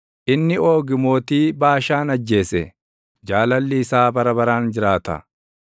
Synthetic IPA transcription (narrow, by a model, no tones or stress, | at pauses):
ʔɪnːɪo̞ːɡɪmo̞ːt̪iːbaːʃaːnɐd͡ʒːe̞ːsɛ | d͡ʒaːlɐlːɪːsaːbɐɾɐbɐɾaːnd͡ʒɪɾaːt̪ɐ̰